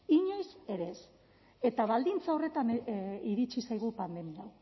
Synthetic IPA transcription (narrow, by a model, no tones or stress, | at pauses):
iɲo̞jse̞ɾe̞s | e̞t̪aβald̪int͡sao̞re̞t̪aneiɾit͡ʃisajɣ̞upand̪e̞miaw